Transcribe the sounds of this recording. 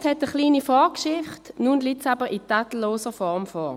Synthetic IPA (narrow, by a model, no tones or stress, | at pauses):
shɛtəχliːnifɔkʃɪχtnunlitsabəʁɪtatl̩loːsəfɔʁmfɔː